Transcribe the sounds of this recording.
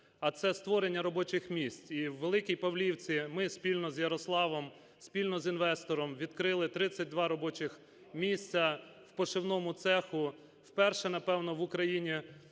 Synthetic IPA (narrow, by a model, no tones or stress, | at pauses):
ɐt̪sɛst̪ʋɔɾenʲːɐɾɔbɔt͡ʃɪxmʲisʲt͡sʲiwːelˠɪkʲijpɐwlʲiwt͡sʲimɪsʲpʲilʲnɔzjɐɾɔslˠɑʋɔm | sʲpʲilʲnɔzinʋɛst̪ɔɾɔmʋʲid̪kɾɪlˠɪt̪ɾɪt͡sʲːɐt̚ʲd̪ʋɑɾɔbɔt͡ʃɪx | mʲisʲt͡sʲɐwpɔʃɪwnɔmʊt̪sɛxʊ | wpɛrʃɛnɐpɛwnɔʋʊkɾɐjinʲi